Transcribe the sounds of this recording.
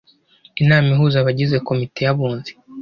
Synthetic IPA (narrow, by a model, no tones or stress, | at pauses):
inaːmiɦuːzaβaɟize̞ko̞mite̞jaβuːnze̥